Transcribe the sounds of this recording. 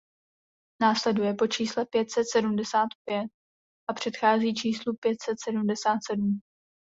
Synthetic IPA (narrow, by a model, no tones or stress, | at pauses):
naːslɛdujɛpo̞t͡ʃiːslɛpjɛt̪sɛt̪sɛdumdɛsaːt̪pjɛt̪̚ | ʔapr̝̥ɛt̪xaːziːt͡ʃiːslupjɛt̪sɛt̪sɛdumdɛsaːt̪sɛdum